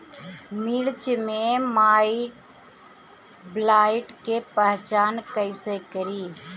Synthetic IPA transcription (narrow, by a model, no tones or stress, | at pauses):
milt͡ʃmẽmaːɪʈ | blaːɪʈkepəɦt͡ʃaːnkəɪsekəɾiː